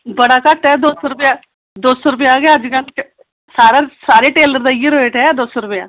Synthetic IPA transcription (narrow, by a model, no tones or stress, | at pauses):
bəɽaːkəʈɛːd̪oːsoːɾʊpjaː | d̪oːsoːɾʊp̬jaːɡjaːəd͡ʒkə̃n | saːɾaːsaːɾeːʈeːləɾd̪ajiɾoeːʈɛːd̪oːsoːɾʊpja̰ː